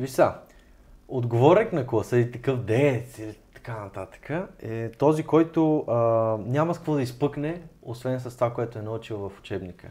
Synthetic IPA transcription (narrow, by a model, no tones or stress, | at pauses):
visa | od̪ɡovɔɾɛknɐklˠɐsəilit̪ɐkɤfd̪ɛt̪silit̪ɐ̥kanɐt̪at̪ə̥kʰəɛt̪ɔzikɔjt̪ʊ | nʲamɐskkvɔd̪ɐispɤknɛosvɛns̬ɐst̪vakoɛt̪ʊɛnɐɤt͡ʃilˠvɐfʊ̥t͡ʃɛbnikə̰